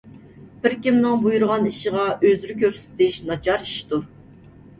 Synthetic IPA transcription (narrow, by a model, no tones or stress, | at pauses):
b̥ɪɾkʲimnɪŋbujuɾʁɑniʃəʁɑʔøzyɾykʲøɾsɪ̥t̪ɪʃnɑt͡ʃʰɑɾiʃt̪uɾ